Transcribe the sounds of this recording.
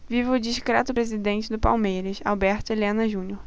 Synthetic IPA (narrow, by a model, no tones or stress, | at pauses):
vivʊd͡ʒiʃkɾɛt̪ʊpɾezid̪ẽnt͡ʃɪd̪ʊpa̰wmejɾɐsa̰wbɛɾt̪ɪlẽnɐʒũnjoɾ